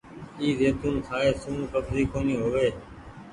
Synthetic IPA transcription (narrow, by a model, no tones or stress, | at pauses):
iːzeːt̪ũːnkʰaːeːsuːũːt̪əbziːkoːniːɦoːʋeː